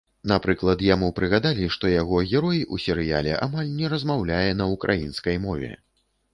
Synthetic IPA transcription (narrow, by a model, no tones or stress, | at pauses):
napɾɨklˠɐt̪jamupɾɨɣad̪alʲiʂt̪ɔjaɣɔɣʲɛɾɔjusʲɛɾɨja̰lʲɛ̰ʔa̰malʲnʲɛɾɐzmawlʲajɛnɐukɾʔajinskɐjmɔvʲɛ̰